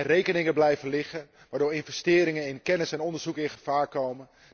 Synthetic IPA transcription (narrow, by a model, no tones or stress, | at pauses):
rejkənɪŋəblɛjvənlɪχə | ʋaːɹdʊːɹɪnfɛstɪːɾɪŋənɪnkɛnəsɛnɔndəɹzukɪ̃nχə̥faːɹkowmə